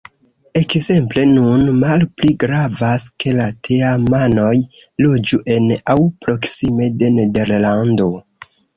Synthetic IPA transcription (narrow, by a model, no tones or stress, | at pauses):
e̞kze̞mple̞nunmalpliɡɾavaske̞latʰe̞amano̞jlo̞d͡ʒuʔe̞nawpɾo̞ksime̞de̞ne̞de̞ɾlando̞